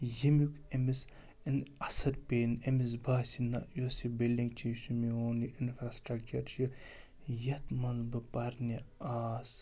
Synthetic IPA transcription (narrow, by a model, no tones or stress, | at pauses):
jimjukʰemis | inɐsɐɾpeːnemis̬baːsinɐjosibildiŋɡt͡ʃʰiʃumiɦoːniʔinfɾasʈɾɐk̚t͡ʃɐɾt͡ʃi | jɐt̪mɐnzbɨpɐɾnias